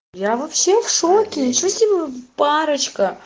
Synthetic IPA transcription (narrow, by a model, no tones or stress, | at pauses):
javɐpsʲefʂokʲɪt͡ɕosʲtʲibʲəpaɾət͡ɕkə